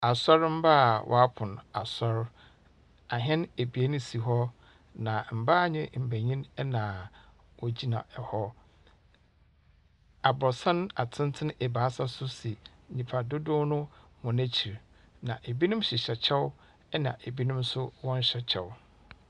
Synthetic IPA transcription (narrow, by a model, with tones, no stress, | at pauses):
a˨sɔ˦ɾm̩˦ba˦˨wʔɔ̰˨˦a˦pʰʊ̃˨n˨a˨sɔ˦ɾ | a˨ɦɛ̃˦ne˨bi˨e˦nʊ̃˦si˨ɦɔ˦ | nã˨m̩˨ba˦˨ɲɪ̰̃˦m̩˨bæ˨ɲĩ˦nɛ˦nã˨ | wɔ˦d͡ʑi˦nã̰˨ɛ˨hɔ˦ | a˨bɔ˨sã˦ñ˦a̰˨tʰɪ̃˦n˦tʰɪ˦n˦ɛ˨ba˨a˦sa˦sʊ˦si˨ĩ˨pʰa˨dʊ˦dʊ̃˦nʊ̃˦mʊ̃˨næ˦t͡ɕʰi˨ɾ | nã˨ʔe˨bi˦nʊ̃˦m˦ɕɪ˨ɕɛ˨t͡ɕʰɛ˦w | ɛ˦nã̰˨ʔe˨bi˦nʊ̃˦msʊ˦wɔ̃˦n˦ɕɛ˦t͡ɕʰɛ̰˨w